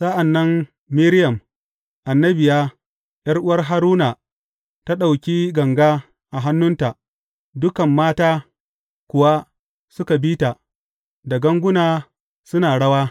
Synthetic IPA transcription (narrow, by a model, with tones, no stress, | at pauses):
sɐ˦ʔa˨nːɐ˦nː | i˦ɾjɐ˨m | ʔa˨nːɐ˦bɪ˨jaː˦ | jɐ˦rʔʊ˦wɐ˦rɦa˦ɾuː˦na˨ | ta˦ɗa˨wkʲiː˦ɡɐ˨ŋɡaː˦ | ʔa˨ɦa˦nːʊ˦nta˨ʔ | dʊ˦kɐ˨mːaː˦taː˦ | kʷʊ˨wa˦ | sʊ˦ka˨biː˦ta˨ | da˨ɡɐ˦ŋɡʷʊ˦naː˨ | sʊ˦naː˨ɽɐ˦waː˦